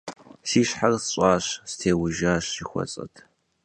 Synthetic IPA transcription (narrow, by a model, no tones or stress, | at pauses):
siːɕħarsɕʷʼɑːɕstʰeːwʊʒaːɕixʷɔ̰t͡sʼɐ̰tʰ